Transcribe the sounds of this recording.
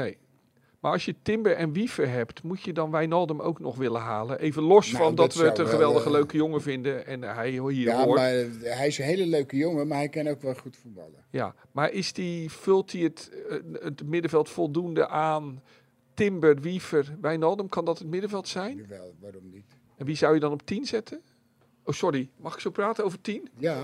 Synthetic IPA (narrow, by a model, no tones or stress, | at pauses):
nej | maɹɑsjətɪmbəɹʔɛnʋifəɹɦɛptmutjədɔnʋɛjnɔlˠdəmʔo̰wknɔχʋɪlənɦaːlənʔejvənlɔsffɔndɔtʋəːtənxəʋɛlˠdəɣəløɥkəjoŋəvɪndəɛnɦɛjɦiːaoaɦɛjɪsənɦejləløɥkəjoŋəmaɹɦɛjkɛnowkʋɛlˠχutfut̚bɑ̰lˠəja̰ː | maːɹʔɪsdifʏlˠtiətətmɪdəvɛlˠtfɔlˠdundəʔaːn | tɪmbərʋifərʋɛjnɔlˠdəmkɑndɑtətmɪdəvɛlˠtsɛjnɛʋaɾɔmnit | ɛnʋizawjədɔnɔp̚tinzɛtʰən | owsɔrimɑχɪksowpraːtənowvəɹtina